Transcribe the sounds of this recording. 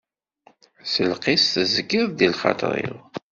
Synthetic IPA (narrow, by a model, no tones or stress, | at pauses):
səlqisθəzəɡɪðˤðilχɑ̰t̪ˤɾˤḭðˤ